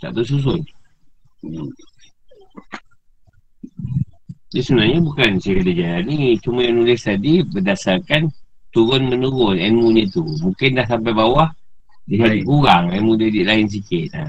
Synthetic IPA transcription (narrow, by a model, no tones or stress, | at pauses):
t̪a̰ʔbəs̬us̬ʊn | disunaɲabukansajadad͡ʒalanit͡ʃumajanulɪst̪adibədasarkant̪uɾʊnmənuɾʊnɛnmuɲat̪umuŋkɪndahs̬amp̬ajbawah | diɦat̪iʔkuɾaŋamudadiʔlaɪns̬ikɪt̪̚a̰